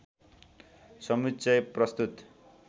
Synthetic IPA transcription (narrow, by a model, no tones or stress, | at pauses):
sʌmitːsʌjprʌst̪ut̪